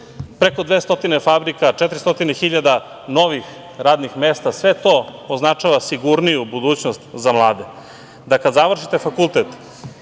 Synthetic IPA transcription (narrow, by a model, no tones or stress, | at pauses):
pɾeko̞d̪ʋeːst̪o̞t̪inefabɾikaʈ͡ʂɛt̪ɾist̪o̞t̪inexiʎad̪a | no̞ʋix | ɾaːd̪nixmeːst̪asʋe̞t̪o̞oznat͡ʂaʋasiɡuɾnijubud̪uːt͡ɕnost̪zamlˠaːd̪e | d̪akad̪zaʋr̩ʃit̪e̞fakulˠt̪et̪